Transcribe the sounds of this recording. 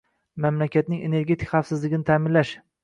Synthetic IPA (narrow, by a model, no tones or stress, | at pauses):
mamlakʲat̪nɪŋene̞ɾɡʲe̞t̪ʰɪ̥kʲχafsɪzlɪɡʲɪnɪt̪ʰaːmɪnlaʃ